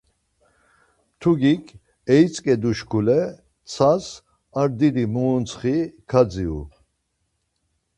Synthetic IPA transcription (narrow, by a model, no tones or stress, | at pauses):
t̪ʰuɡikʰ | ɛit͡sʼkʼɛd̪uʃkʰulɛ | t͡sʰas | aɾd̪id̪imuːnt͡sʰχikʰad͡ziṵ